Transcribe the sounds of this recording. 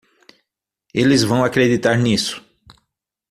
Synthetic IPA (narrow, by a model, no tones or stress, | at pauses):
elɪzvɐ̃w̃akɾed̪it̪aɾnisʊ̥